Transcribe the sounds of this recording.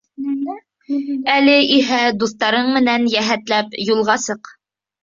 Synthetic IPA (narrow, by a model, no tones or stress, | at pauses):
ælɘʔiɦæd̪uθt̪ɑɾɤɴmɘ̆nænjæɦæt̪læpjulˠʁɑsɤq